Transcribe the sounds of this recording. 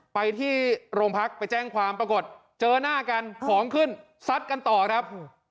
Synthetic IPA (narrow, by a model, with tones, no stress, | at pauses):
pa˧jt̪ʰiː˥˩ɾoː˧ŋpʰa˦˥k̚pa˧jt͡ɕɛː˥˩ŋkʰwaː˧mpɾa˧ko˨˩t̪̚ | t͡ɕɤː˧naː˥˩ka˧nkʰɔː˩˦ŋkʰɯ˥˩n | sa˦˥t̪̚ka˧nt̪ɔː˨˩kʰɾa˦˥p̚